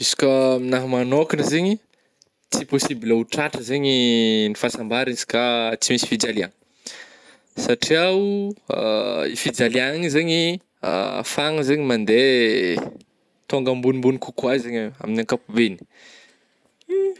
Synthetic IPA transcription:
isu̥kʲəminaɦmanokinəzeɲi | t͡siposibilauʈ͡ʂaʈ͡ʂəzeɲinifasambaɾinzi̥kat͡simisi̥fid͡zaliaŋ | saʈ͡ʂiaua̰ḭfid͡zaliaŋizeɲi | a̰faŋəzeɲimand̪e | t̪oŋɡəmbunimbunikukwazeɲa̰minaŋkapubeni̥

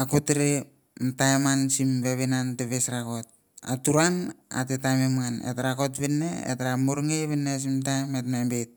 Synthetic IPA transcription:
akotɾe | mtajmansimbeβenanteβesɾakot̚ | a̰tuɾana̰tetamemŋanḛtɾako̞tβinːḛḛtɾamuɾŋeβenːes̬imtajmetmambet̚

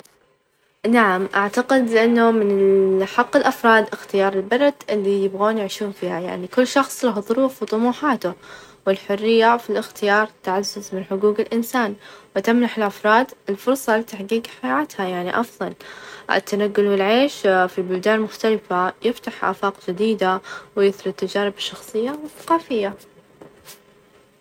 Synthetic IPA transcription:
naʕamʔaʕt̪aqɪd̪ɪʔanːʊmɪnħɑqːɪlʔafɾˤɑːd̪ʔɪxt̪ɪjɑːɾˤɪlbɑɾˤɑd̪ʔɪlːijɪbɣoːnjɪʕʃuːnfiːhaja̰ʕnikʊlːʃɑxsˤlaɦʊðˤʊɾuːfwt̪ˤʊmuːħaːt̪ʊ | wɪlħʊrːɪjːafilʔɪxt̪ɪjɑːɾˤt̪aʕazːʊzmɪnħʊɡuːɡɪlʔɪnsaːnwt̪amnaħɪlʔafɾˤɑːd̪ɪlfʊɾˤsˤɑlɪt̪aħɡiːɡħajʕaːt̪hajaʕniʔɑfðˤɑlʔɪ̰t̪ːanaɡːʊlwɪlʕeːʃfibʊld̪aːnmʊxt̪alɪfajɪft̪aħʔa̰ːfɑːqd͡ʒɪd̪iːd̪awɪjɪθɾɪt̪ːad͡ʒaːɾɪbɪʃːɑxsˤɨjːawɪθːḁqɑːfɪjːa

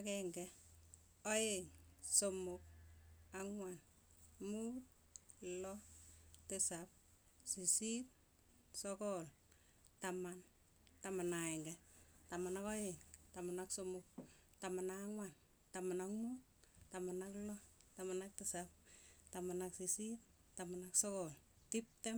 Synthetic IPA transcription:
akɛŋɡɛ | oeŋsomʊk̚aŋwan | mut̚ | lɔtɪsap̚ | sisip̚ | sɔkɔl | taman | tamanaeŋɡetamanakɔɪŋtamanaksomʊk̚ | tamanaŋwan | tamanakmut̚ | tamanaklɔtamanak̚tɪsap̚tamanaksisip | tamanaksɔkɔl | tip̚tɛm

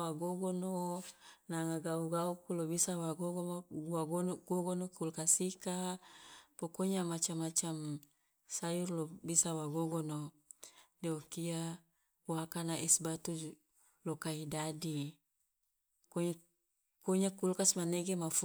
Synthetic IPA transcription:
waɡoɡono | naŋaɡauɡaukulobisawaɡoɡowaɡonɡoɡonokulkasika | pokoɲamat͡ʃamat͡ʃam | sajurlobisawaɡoɡono | deokia | wakanaʔɛsbat̪u | lokaidadi | koɲ | koɲakulkasmaneɡemaf

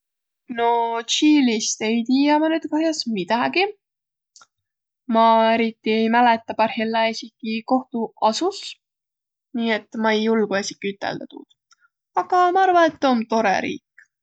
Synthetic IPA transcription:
no̞t͡ʃiːlist̪e̞jt̪iːjɑmɑnyːd̪̥kɑɦjɑsmid̪̥ɑɡ̥i | mɑe̞ɾit̪ːˑiejmælet̪ːˑɑpɑrhilːɑesikːˑiko̞ht̪uɑsus | niːe̞t̪ːˑmɑejːulɡ̥uesʲikːˑiyt̪ːˑḛld̪ɑt̪ṵd̪̥ | ɑɡ̥ɑmɑɑrvɑnet̪ːont̪o̞ɾḛɾḭːkː

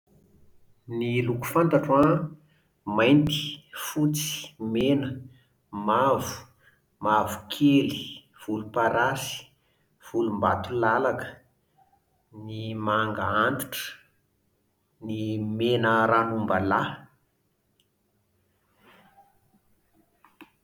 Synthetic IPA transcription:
niluku̥fant̪aʈ͡ʂwa | majnt̪i̥fut͡si̥menə | mavu̥ | mavu̥kʰeli | v̥ulupaɾasi̥ | v̥ulumbat̪ulalakə̥ | nimaŋɡaant̪u̥ʈ͡ʂə̥ | nimenəɾanumbala

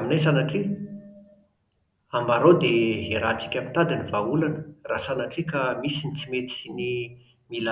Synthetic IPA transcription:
aminajsanaʈ͡ʂi | ambaɾod̪eɦeɾat͡si̥kʲamit̪ad̪inivaulanərasanaʈ͡ʂikamisinit͡simet̪i̥ini | mila

